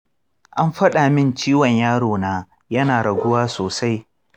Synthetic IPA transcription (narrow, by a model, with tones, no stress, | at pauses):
ʔa˦mɸɐ˦ɗaː˨mɪ˦˨nt͡ʃiː˦wɐ˨ɲjaː˦ɽoː˨naː˦ | jɐ˦naː˨ɽɐ˨ɡʷʊ˦waː˦soː˨sa˦j